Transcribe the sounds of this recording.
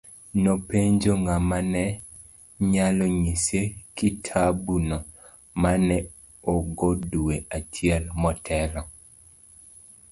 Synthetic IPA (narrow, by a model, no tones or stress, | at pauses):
nopeɲd͡ʒoŋamanɛ | ɲalɔɲisekitʰabunɔ | manɛ | oɡoduweʔat͡ʃjɛlmɔtʰɛlɔ